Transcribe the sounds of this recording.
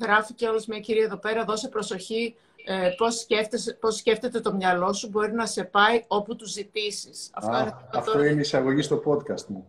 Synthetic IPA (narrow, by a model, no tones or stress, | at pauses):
ɣɾɐfice̞o̞lozmɲɐciɾiɐeðo̞pe̞ɾɐðo̞sepɾo̞so̞çi | epo̞sceft̪esposːce̞ft̪e̞t̪e̞t̪o̞mɲɐlo̞subo̞ɾinɐse̞pɐio̞put̪uzit̪isisɐ̰ft̪oineɐɐftoineisɐɣo̞ʝist̪o̞po̞t̪kɐst̪mu